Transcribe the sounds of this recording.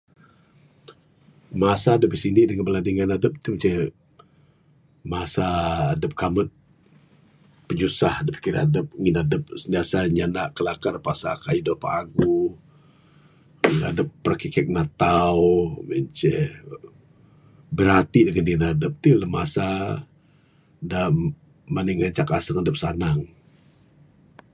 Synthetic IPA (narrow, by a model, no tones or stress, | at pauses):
masaːdəp̚əsiniʔdəŋənbəladiŋanadəp̚t̪umət͡ʃɛ | masaːdəp̚kamət̪̚ | pəɲusahadəp̚fi̥kiɾa̰dəp̚ŋinadəp̚səndiasaɲanaʔkəlakanpasa̰kaidɔhpaaɡu | na̰dəpːərkikɛk̚nat̪awməɲt͡ʃɛ | bəɾat̪idəŋanŋinadəp̚t̪iləmasa | da | maniŋaɲt͡ʃakasəŋadəp̚sanaŋ